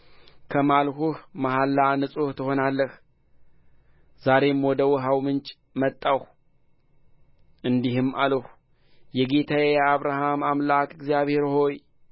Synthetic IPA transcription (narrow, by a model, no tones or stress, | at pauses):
kʰəmalhuhmaɦalːanɨsʼuht̪ʰɨho̞nalːəh | z̥aɾe̞mwɔd̪əwʊɦawmɨnt͡ʃʼ | mət̪ʼːah | ʔɨnd̪ihɨmaləh | jɛɡe̞t̪ʰajjɛaβɾaɦamamlakʼɨɡzijaβhe̞ɾho̞j